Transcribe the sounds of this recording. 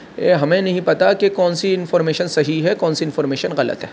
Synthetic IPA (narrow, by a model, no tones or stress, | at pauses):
eɦɐmẽnɐɦĩpɐt̪akekɔːnsiɪnfɔːɾmeːʃənsɐɦiɦɛkɔːnsiɪnfɔːɾmeːʃənɣɐlə̰t̪ɦɛː